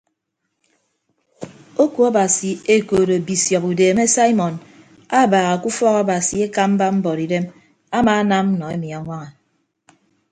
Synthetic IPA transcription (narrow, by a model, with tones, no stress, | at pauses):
o˦ku˨˦a˦ba˨si˨e˦koː˨ɾo˨bi˨sjɔ˨pu˨deː˨me˦sa˦i˦mɔ˨n | a˦˨baː˨ɣa˨ku˦fɔ˦ka˦ba˨si˨e˦ka˦m̩˦ba˦m̩˦bɔ˨ɾi˨de˦m | a˦maː˦˨˦na˦m̩˦nɔ˨e˦mi˨a˨ŋʷa˦ŋa˨